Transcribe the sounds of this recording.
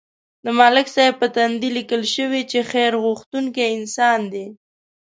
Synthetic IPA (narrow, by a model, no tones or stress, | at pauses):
d̪əmɑlɪksajpət̪and̪ilikəlʃəwit͡ʃexeɾɣuxt̪uŋkeɪnsɑnd̪e